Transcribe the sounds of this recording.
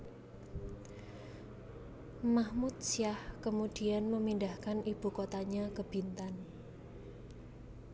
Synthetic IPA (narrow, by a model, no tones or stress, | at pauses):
mahmut̪̚siahkəmud̥ianməmindahkanib̥ukot̪aɲakəb̥int̪an